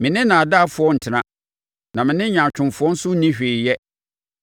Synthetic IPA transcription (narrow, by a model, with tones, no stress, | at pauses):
mɪ̃˨nɪ̃˦nã˨a˨da˦fʊ˨˦ɔ˦n̩˨tʰɪ˨˦nã˦ | nã˨mɪ̃˨nɪ̃˦ɲã˨t͡ɕᶣʊ̃˨mfʊ˨˦ɔ̃˦n̩˦sʊ˦nĩ˦ɕᶣe˨jɛ˦